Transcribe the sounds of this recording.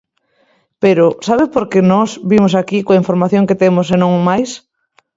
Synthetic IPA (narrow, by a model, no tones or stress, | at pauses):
peɾʊsaβɪpoɾkenɔsbimʊsakikoaiɱfoɾmaθjõŋket̪emʊsenõŋmajs